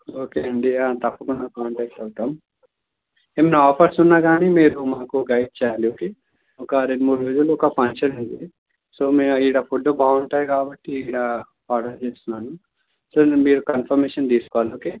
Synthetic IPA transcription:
oːkeɐɳɖiãt̪ɐpːɐkunːaːkaːɳʈɛːk̚ʈɐɡt̪aːm | emeːnaːpʰɐɾsunːaɡaːnimeːɾumaakuɡɐjɖ̚t͡ʃajaːlioːkeː | okaːɾenmuɾed͡ʒuloːkapɐnt͡ʃɐniɳɖ̪i | soːmẽiːɽaːpʰuʈːoːbʱaːuɳʈaːekaːbɐʈːiiːɽaː | aːɖɐɾt͡ʃeːsunaːnu | soːmeːɾukɐnpʰɐɾmeːʃɐnd̪iːskaːloːke

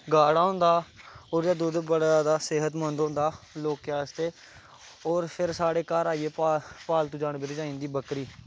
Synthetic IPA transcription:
ɡaːɽaːɦʊ̃ːnd̪aːoːɾjaːd̪ʊd̪bəɽaːd̪aːsɪɦət̪mə̃nd̪õːnd̪aːloːkjaːst̪eː | oːɾpʰɪɾsaːɽeːkaɾaːiːeːpaːpaːlt̪ũːd͡ʒaːɽbɪɾd͡ʒaːĩːnd̪iːbəkɾiː

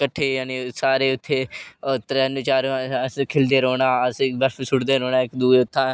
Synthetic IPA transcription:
kəʈʰːeːjaːniːsaːɾeːʊt̪ʰːeːt̪ɾɛːnet͡ʃaːɾskʰɪld̪eːɾoːnãːəsbəɾfsʊɽd̪eːɾoːnaːɪkd̪uːeːʊt̪ʰːãː

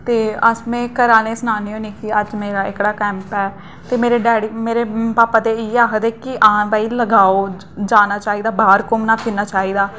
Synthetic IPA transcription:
t̪eːəsmɛ̃ːkəɾaːneːsnaːniːɦõːniːkiəd͡ʒmeːɾaːɪkɽaːkɛ̃ːmpɛː | t̪eːmeːɾeːɖɛːɽiːmeːɾeːpaːpaːt̪eːiːaːkəd̪eːkɪʔãːbaːiːləɡaːoː | d͡ʒaːnaːt͡ʃaːiːd̪aːbaːɾkʊmnaːkʰɪːnaːt͡ʃaːiːd̪aː

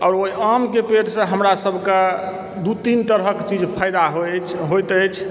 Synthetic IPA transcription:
ɔːɾoiʔamkepeɾsə̃ɦəmɾasəbʱka | d̪ut̪int̪əɾɦəkt͡ʃid͡ʒpʰajd̪aɦɦojt̪ət͡ʃʰ

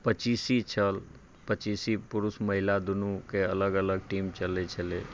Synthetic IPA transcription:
pət͡ʃisit͡ʃʰəl | pət͡ʃiːsipʊɾusməɦɪlad̪unukeələɡələɡʈimt͡ʃəlet͡ʃʰəle

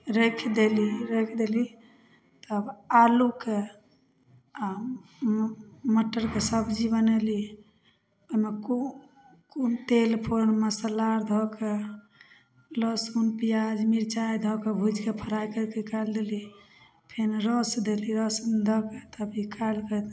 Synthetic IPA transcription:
ɾekʰd̪eliɾekʰd̪eli | t̪əbaluke | a | məʈːəɾkesəbd͡ʒibəneli | oɦimeko | kont̪elpʰonmesəlaɾd̪ʱɔke | ləsunpijad͡ʒmiɾt͡ʃajd̪ʱɔkebʱud͡ʒkepʰəɾajkəɾkekald̪eli | pʰenɾɔsd̪eliɾɔsund̪ʱɔket̪əbikʰalkət̪

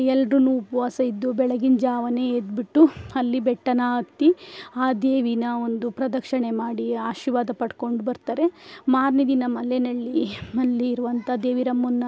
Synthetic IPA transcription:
ɛlɖɾunuupɐʋaːsɐid̪ːubɛɭɐɡind͡ʒaːʋɐne̞eːd̪biʈːuɐlːibɛʈːɐnaːɐt̪ːiaːd̪eːʋinɐo̞nd̪upɾɐd̪ɐkʂɐɳe̞maːɽiaːʃiɾʋaːd̪ɐpɐʈko̞ɳɖubɐɾt̪aːɾe̞maːɾnid̪inɐmɐlːenɐɭːiɐlːiːɾuʋɐnt̪ʰɐd̪eːʋiɾɐmːunːɐ

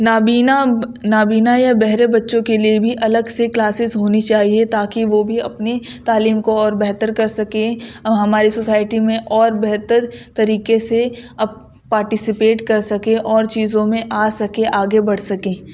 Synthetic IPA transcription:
naiːnanaːbiːnajabɛɦɾebɐtːʃõkeliebʱiʔɐləɡseklaːsɪzɦoːnit͡ʃaːɦiet̪aːkiʋobʱiɐpnet̪aːliːmkoɔːɾbɛɦt̪əɾkɐɾsɐkẽɦɐmaːɾisosaːɪʈimẽʔɔːɾbɛɦt̪əɾt̪ɐɾiːkeseɐb | paːɾʈɪsɪpeːʈkɐɾsɐkẽʔɔːɾt͡ʃiːzõmẽʔaːsɐkẽʔaːɡebɐɽ̤sɐkẽː

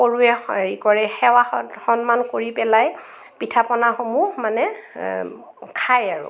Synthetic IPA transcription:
oɹuɛɹikɔɹɛxɛwaɔtxɔnmankoɹipɛlaj | pitʰapɔnaxomuhmanɛ | kʰajaɹʊ̰

